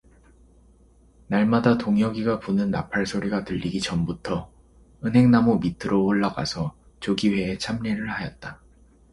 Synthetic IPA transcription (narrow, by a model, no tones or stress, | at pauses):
naɭmadatoŋjʌɡiɡapunɯnːa̰pʰaɭsʰoɾiɡatɯʎːiɡit͡ɕʌmbutʰʌ | ɯnɦe̞ŋnamomitʰɯɾooɭːaɡa̰sʰʌ | t͡ɕoɡiwe̞ːt͡ɕʰamɲiɾɯɭhajʌt̚t͈a